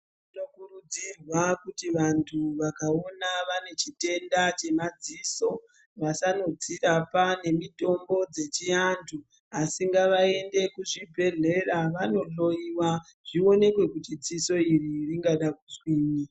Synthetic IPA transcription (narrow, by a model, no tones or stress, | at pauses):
itokurud͡zirwakutiʋantʰuʋakaonaʋane̞t͡ʃite̞ndat͡ʃe̞mad͡ziːso̞ | ʋasano̞d͡zirapane̞mito̞mbo̞d͡ze̞t͡ʃiantʰu | asiŋɡaʋae̞nde̞kuʐibʱe̞ɮe̞raʋano̞ɬo̞iwa | ʐ̥io̞ne̞kwe̞kutid͡ziso̞iririŋɡaɗak̚uswiːni